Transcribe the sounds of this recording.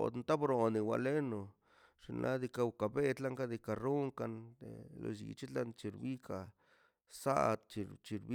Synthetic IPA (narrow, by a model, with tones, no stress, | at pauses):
o̰˨d̪nt̪a˦bɾo˨ni˧wa̰˨le˦no˨ | ʂi˧nʔa̰˦d̪i˧ka˧u˧ka˨be˦t̪la˦ŋka˦d̪i˧ka˨ɾu˦ŋka˧nḛ˨lo̰˧ʃḭ˨t͡ʃi˦t̪la˧nt͡ʃi˧ɾbi˦ka˨ | sa̰˦d̪t͡ʃi˧t͡ʃi˧ɾbi˦